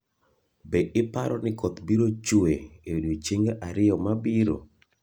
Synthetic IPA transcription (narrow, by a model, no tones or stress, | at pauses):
beʔɪpa̰ɾɔ̰nɪkɔt̪biɾot͡ʃueewdot͡ʃeŋɡeʔaɾɪjɔmabiɾo̰